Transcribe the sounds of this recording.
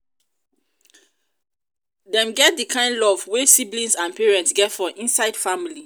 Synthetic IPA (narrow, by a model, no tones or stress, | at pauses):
dɛ̃mɡɛt̚dikʰãɪ̃ndlɔvwesiblĩnsãnpiɹɛ̃ntsɡɛtfɔ̃ʔĩnsaɪd̥famili